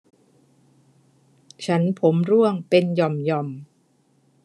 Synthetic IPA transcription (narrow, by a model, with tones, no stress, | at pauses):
t͡ɕʰa˦˥npʰo˩˦mɾu˥˩əŋpe˧njɔ˧mjɔ˧m